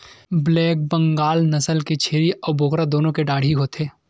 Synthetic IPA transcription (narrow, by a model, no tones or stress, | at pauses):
blɛːk̚bɐ̃ŋɡaːlnɐsəlket͡ʃʰeːɾiʔɔːɾbʱokɾad̪oːnõkeɖaːɽ̤ʱiɦoːt̪eː